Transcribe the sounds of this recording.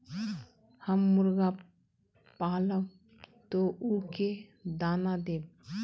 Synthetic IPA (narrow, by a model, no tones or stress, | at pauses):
həmːʊɾɡa | paːlə | t̪oʔuked̪aːnad̪eːb